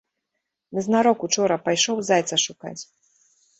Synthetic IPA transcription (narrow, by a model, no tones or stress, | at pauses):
nɨznaɾɔkut͡ʂɔɾɐpajʂɔwzajt̪sɐʂuka̰t͡sʲ